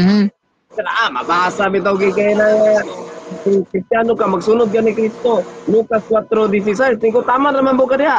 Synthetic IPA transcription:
saɾaʔamabaasamit̪̬awɡikajnaŋasikɾist̪janokamaɡsunʊd̪̚ɡanikɾist̪olukaskwat̪ɾod̪is̬is̬aɾsniŋkot̪amanamanbokad̪ɪɦaʔ

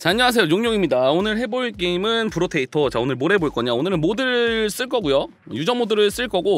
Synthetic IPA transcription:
t͡ɕaɲɲʌɦasʰejojoŋɲoŋimɲidaonɯɾɭhe̞boɭk͈eimɯnpɯɾotʰe̞itʰʌt͡ɕaonɯɭmoɾɦe̞boɭk͈ʌɲaonɯɾɯnmodɯɾɯɭs͈ɯɭk͈ʌɡujo | jud͡ʑʌŋmodɯɾɯɭs͈ɯɭk͈ʌɡo

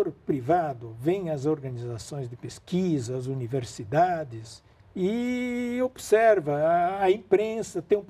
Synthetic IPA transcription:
oɾpɾivad̪ʊvẽj̃ɐzoɾɡɐnizasõj̃zd̪ɪpeskizɐːzuniveɾsid̪ad̪ɪs | ɪ | obsɛɾvɐːẽmpɾẽsɐt̪ẽj̃ũp

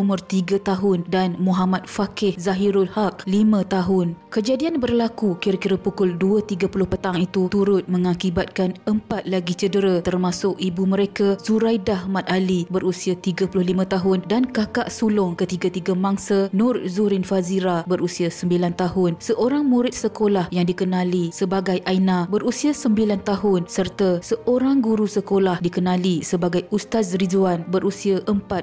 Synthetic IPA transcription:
umʊrt̪iɡat̪aɦʊndanmũɦamat̪̚fakɪhzaɦiɾʊlhak̚limãt̪aɦʊnkəd͡ʒadianbərlakukiɾakiɾapukʊlduət̪iɡapulʊhpət̪aŋit̪ut̪uɾʊt̪̚məŋakibat̪̚kanəmpat̪̚laɡit͡ʃədəɾat̪ərmasʊkibuməɾekazuɾajdaɦmãt̪̚ʔalibəɾusiat̪iɡapulʊhlimãt̪aɦʊndankakaʔsulʊŋkət̪iɡat̪iɡamaŋsanʊ̃rzuɾɪnfaziɾabəɾusiasəmbilant̪aɦʊnsəʔoɾaŋmũɾɪt̪̚səkolahjaŋdikənãlisəbaɡajʔajnãbərusiasəmbilant̪aɦʊnsərt̪asəʔoɾaŋɡuɾusəkolahdikənãlisəbaɡajust̪asrizuanbəɾʔusiaʔəmpat̪̚

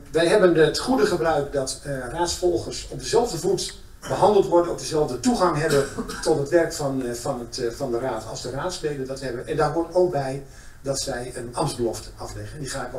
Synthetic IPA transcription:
ʋɛjɦɛbənətχudəχəbrœɥkdɑtraːtsfɔlˠχərsɔb̚dəzɛlˠvdəvut | bəɦɑndəlˠtʋɔɹdənɔb̚dəzɛlˠvdətuχɑŋɦɛbətɔtɦətʋɛrkfnfɑntfɑndəraːtɑ̰lˠzdəraːtslejdəndɑtɦɛbənʔɛndaːɹɦotowk̚bɛj | dɑtsɛjənɑmzbəlɔftɑflɛχənɛndiχaːk

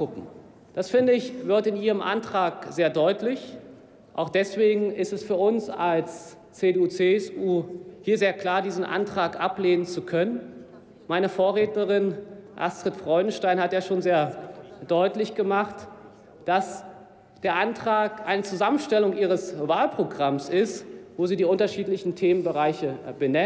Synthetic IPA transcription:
pʰʊpm̩ | d̥asfɪndəɪçvɪɐtɪnʔiːʁəmʔa̰ntʁ̥aːkz̥eːɐdɔʏtlɪç | ʔa̰ʊxd̥ɛsv̥eːɡŋ̩ɪstɛsfyːɐʔʊnsals | t͡seːdeuːt͡seːɛsʔuːhiːɐzeːɐkl̥aːɐdiːzn̩ʔa̰ntʁ̥aːkʔapleːnənt͡sukʰœnən | maɪnəfoːɐʁeːtnəʁɪnʔa̰stʁ̥ətfʁ̥ɔʏdn̩ʃtaɪnhatjaːʃoːnzeːɐd̥ɔʏtlɪçɡ̥əmaχt | d̥as | d̥eːɐʔantʁ̥aːkʔaɪnət͡suzamənʃtɛlʊŋʔiːʁ̞əsvaːlpʁ̥oɡʁamsʔɪstvoːziːdiːʔʊntɐʃiːtlɪçn̩tʰeːmənbəʁaɪçəbənɛ

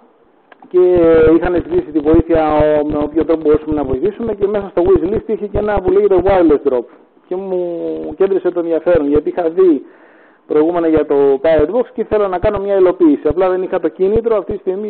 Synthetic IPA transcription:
ce̞ixɐnezt̪it̪isit̪ivo̞iθiɐomeopçond̪ɾo̞pbo̞ɾusɐme̞nɐvo̞iθisume̞ce̞me̞sɐst̪o̞ɣwizlist̪içecee̞nɐpuleʝe̞t̪oɣwalesd̪ɾo̞p | ce̞muce̞nd̪ɾise̞t̪o̞e̞nðiɐfe̞ɾo̞nʝɐt̪iixɐði | pɾo̞iɣume̞noʝɐt̪o̞pajod̪boksceiθe̞lonɐkɐno̞mɲɐilo̞piːsiɐplɐðe̞nixɐt̪o̞cinit̪ɾo̞ɐft̪it̪ist̪iɣmi

